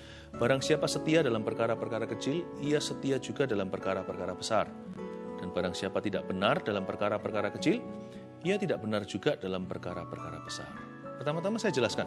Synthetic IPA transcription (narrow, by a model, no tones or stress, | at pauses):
b̥aɾaŋsiapasət̪iadalampərkaɾapərkaɾakət͡ʃɪliasət̪iad͡ʒuɡadalampərkaɾapərkaɾabəsard̥anbaɾaŋsiapat̪idaʔb̥ənardalampərkaɾapərkaɾakət͡ʃɪl | ijat̪idaʔbənard͡ʒuɡadalampərkaɾa̰pərkaɾa̰b̥ə̥sa̰r | pərt̪amat̪amasajad͡ʒəlaskan